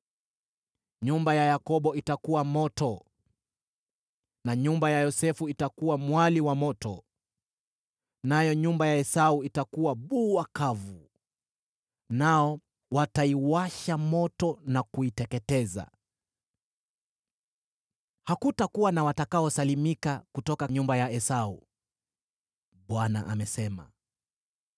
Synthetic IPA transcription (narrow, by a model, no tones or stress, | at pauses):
ɲumbajajakɔɓɔitakuwamɔtɔ | naɲumbajajɔsɛfuitakuwamwaliwamɔtɔ̰ | najɔɲumbajaɛsauitakuwaɓuakavu | naɔ | wataiwaʃamɔtɔnakuitɛkɛtɛza̰ | hakutakuwanawatakaɔsalimikakutɔkaɲumbajaɛsaṵ | ɓwana̰ʔa̰mɛsɛma̰